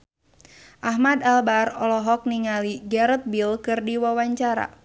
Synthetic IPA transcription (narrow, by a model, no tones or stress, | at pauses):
ʔaɦmadalbarɔlɔɦɔk̚niŋaliɡɛɾət̪̚bilkɨrdiwawaɲt͡ʃaɾa̰